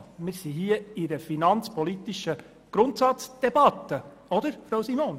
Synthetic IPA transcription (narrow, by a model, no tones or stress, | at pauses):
mɪːɾsiɦiəiɾəfinɑnt͡spɔlit̪iʃə | ɡ̥ɾʊnt̪sɑtt͡sd̥ɛbɑt̪ːə | ɔd̪əɾfɾowsimoːn